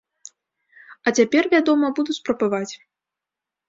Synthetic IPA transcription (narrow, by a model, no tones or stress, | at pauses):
ɐt͡sʲapʲɛrvʲad̪ɔmɐbud̪usʲpɾɐbavat͡sʲ